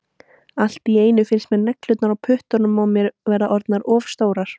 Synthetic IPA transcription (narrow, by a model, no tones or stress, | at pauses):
al̥t̪ieːjnʏfɪnsmɛðnɛklʏt̪naɾawpʰʏht̪ɔnʏmawmjɛɾvɛːɾaʔɔɾt̪naɾɔːfst̪oːwɾaɾ̥